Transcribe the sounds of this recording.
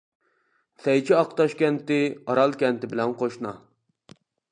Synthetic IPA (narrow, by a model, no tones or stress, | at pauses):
sɛjt͡ʃʰiɑqt̪ɑʃkʲɛnt̪ɪɑɾɑlˠkʲɛnt̪ɪbɪlɛnqʰoʃnɑ̰